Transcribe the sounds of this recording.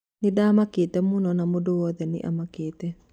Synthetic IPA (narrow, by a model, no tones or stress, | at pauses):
nidamakit̪ɛmunɔnamodowɔd̪ɛnɪ̰ʔa̰makɪt̪ɛ